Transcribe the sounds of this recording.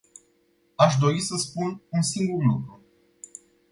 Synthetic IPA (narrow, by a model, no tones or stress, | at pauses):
aʃd̪o̞ɾisəspununsiŋɡurlukɾu